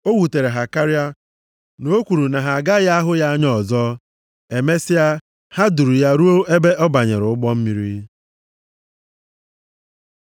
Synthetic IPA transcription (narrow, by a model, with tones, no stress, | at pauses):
o˦wu˨te˨ɾe˨ɦa˨ka˦ɾi˦a˦ | no˦kʷu˨ɾu˨na˨ɦa˨a˨ɡa˦ja˦a˦ɦʊ˦ja˦ɲɔ˦˨zɔ˦ | e˨me˦sɪ˦ja˦ | ha˦du˨ɾu˨ja˦ɾu˦o˦e˦be˦ʔɔ˦ba˨ɲḛ˨ɾʊ˨ʊ˦ɡ͡bɔ˦m̩˦mi˦ɾi˦